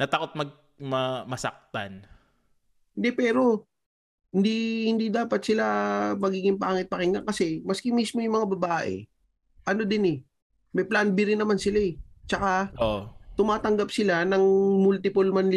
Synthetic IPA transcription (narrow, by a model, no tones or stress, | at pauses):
nɐt̪akot̪̚mɐɡ̚ | mɐmɐsɐ̰k̚t̪a̰n | hɪnd̪ɛpɛːɾo̞ | hɪnd̪ihɪnd̪id̪aːpɐt̪̚sɪlamɐɡiːɡɪŋpaːŋɪt̪̚pɐkɪŋlɐŋkɐsɛmɐskɪmismo̞jʊŋmɐŋabɐbaːʔɛ̰ | ʔɐno̞d̪ɪnɛ | mɐjplanbɪɾɪnːɐmansɪlaɛt͡ʃɐkaʔoʔot̪ʊmaːt̪ɐŋɡap̚sɪlanɐŋmult̪ɪpʊlmanlɪ